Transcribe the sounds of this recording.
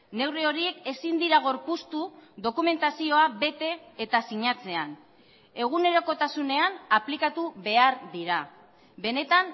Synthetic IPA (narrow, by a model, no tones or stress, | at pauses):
ne̞wrio̞ɾie̞ke̞sind̪iɾaɣ̞o̞ɾpust̪uðo̞kume̞nt̪asio̞aβe̞t̪e̞ːt̪asiɲat͡se̞an | e̞ɣ̞une̞ɾo̞ko̞t̪asune̞anaplikat̪uβe̞aɾðiɾa | be̞ne̞t̪an